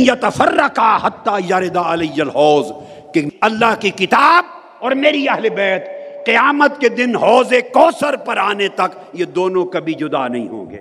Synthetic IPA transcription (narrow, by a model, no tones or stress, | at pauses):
jɐt̪ɐfɐrːɐkaːhɐt̪ːajaɾɪd̪aɐlɪjːɐlɦɔːz | keɐlːaːɦkikɪt̪aːb̚ | ɔːɾmeːɾiɐɦlebɛːt̪qɪjaːmət̪ked̪ɪnɦɔːzekɔːsəɾpɐɾaːnet̪ɐk | jed̪oːnõkɐbʱid͡ʒʊd̪a̰nɐɦḭ̃ɦõ̰ːŋɡḛː